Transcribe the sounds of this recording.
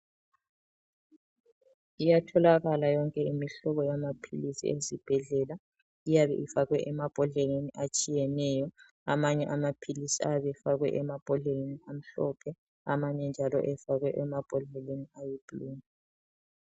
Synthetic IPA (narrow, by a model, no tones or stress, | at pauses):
ijatʰɔlaɣalajɔŋkʼɛimiɬɔβɔjamapʰilisḭezib̥ʱɛɮɛla | ijaβɛ̰ʔifaɣwɛʔɛmab̥ʱɔɮeneniʔat͡ʃʼijɛnɛjɔ | amaɲɛʔamapʰilisiajβɛfaɣwɛʔɛmab̥ʱɔɮeneniam̩ɬɔpʰɛ | amaɲɛnd͡ʒʱalɔ̰ʔɛfaɣwɛʔɛmab̥ʱɔɮɛleniajib̥ʱuluːna